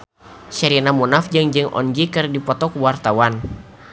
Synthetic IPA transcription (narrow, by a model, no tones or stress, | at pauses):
ʃɛɾinamunafd͡ʒɨŋd͡ʒɨŋʔɔ̰nd͡ʒikɨrdipɔt̪ɔkwart̪awan